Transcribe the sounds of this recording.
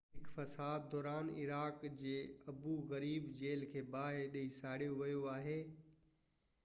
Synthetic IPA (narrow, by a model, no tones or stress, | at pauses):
ɦɪkfɐsaːd̪d̪ɔːɾaːnɪ̰ɾaːkd͡ʑeːɐbuɣɐɾiːbd͡ʑeːlkʰeːbaːɦeɗɐisaːɽijoʋɐjoaːɦeː